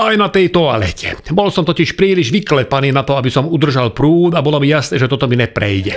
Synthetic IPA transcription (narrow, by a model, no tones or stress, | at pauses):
ajnat̪ɛjt̪ɔalɛ̰cʰɛ̰bɔlsɔmt̪ɔciʃpɾiːliʒʋiklɛpaniːnat̪ɔabisɔmud̪r̩ʒalpɾuːt̪abɔlɔmijasnɛːʒɛt̪ɔt̪ɔminɛpɾɛ̰jɟɛ